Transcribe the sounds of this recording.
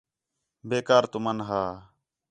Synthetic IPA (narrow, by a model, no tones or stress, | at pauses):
beːkaːɾt̪ʊmənɦaː